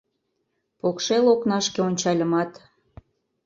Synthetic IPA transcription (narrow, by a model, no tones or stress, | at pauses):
pokʃeloknɑʃkeonʲt͡ɕɑlʲə̆mɑt̪